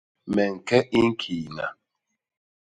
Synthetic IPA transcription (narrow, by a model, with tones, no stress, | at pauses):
mɛ˨ŋ̩˨kɛ˦ʔi˦ŋ̩˦kʰi˨na̰˨